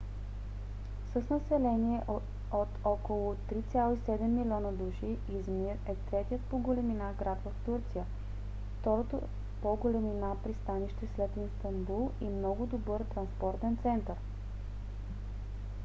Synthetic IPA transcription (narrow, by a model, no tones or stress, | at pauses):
səsnɐsɛlɛniɛʔ | ot̪ʰɔkolˠʊt̪ɾit̪sʲjalˠoisɛd̪ɛmːilʲiɔnəd̪uʃiːzmiɾɛt̪ɾɛt̪ijət̪̚poɡolɛminaɡɾat̪vəft̪uɾt̪sijə | ft̪ɔɾot̪o̰ | poɡolɛminapɾist̪aniʃt̪ɛslɛt̪inst̪ɐmbulˠimnɔɡʊd̪obɤɾt̪ɾɐnspɔɾt̪ɛnt̪sɛnt̪əɾ